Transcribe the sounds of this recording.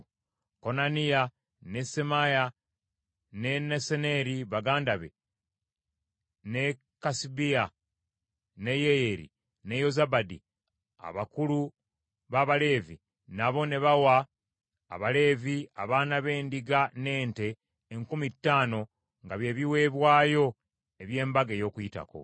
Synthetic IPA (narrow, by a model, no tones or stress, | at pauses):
ko̞nanija | ne̞semaja | ne̞nesene̞ɾiβaɡaːndaβe̞̰ | ne̞ | kasibia | ne̞jeeɾḭ | ne̞jo̞zabadḭ | a̰βakulu | βaβale̞ːvi | naβo̞ne̞βawa̰ː | βale̞ːviaβaːnaβe̞ːndiɡane̞ːnte̞ː | ŋkumitːaːno̞ | ŋɡaβje̞ːβiwe̞ːβwaːjo̞ | e̞βje̞ːmbaɡejo̞ːkujita̰ko̞̰